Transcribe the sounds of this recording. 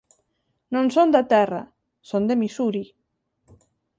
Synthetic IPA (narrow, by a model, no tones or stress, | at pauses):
nõnsond̪at̪ɛra̰ | sond̪emisuɾi